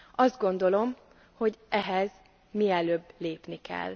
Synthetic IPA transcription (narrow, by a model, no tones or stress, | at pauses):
ɒzd̪̚ɡo̞nd̪o̞lo̞m | ho̞ɟʔɛɦɛz | miɛløːbleːpnikɛ̰l